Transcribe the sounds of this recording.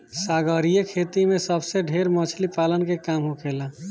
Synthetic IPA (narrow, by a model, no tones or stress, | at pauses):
saːɡəɾijekʰet̪imẽsəbseɖʱeɾmət͡ʃʰlipalənkekaːmɦokʰela